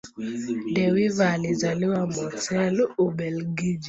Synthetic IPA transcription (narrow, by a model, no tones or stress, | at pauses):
dɛwivalɪzaliwamɔtɛlobɛlɡid͡ʒi